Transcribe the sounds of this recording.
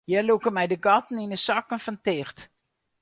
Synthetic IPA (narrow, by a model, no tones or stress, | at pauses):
jɛlukəmɛjdəɡɑtn̩inəsɑkənfɔntɪxt